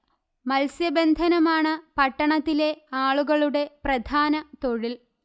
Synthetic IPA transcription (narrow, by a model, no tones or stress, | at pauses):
mɐlsjɐbend̪ʱɐnɐmaːɳɨpɐʈːɐɳɐt̪ːile̞aːɭuɣɐɭuɽe̞prɐd̪ʱaːnɐt̪o̞ɻil